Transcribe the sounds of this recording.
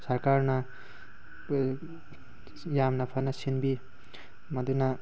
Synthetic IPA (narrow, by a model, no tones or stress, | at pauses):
saɾkaɾna | jamnapʰanasinbi | mad̪una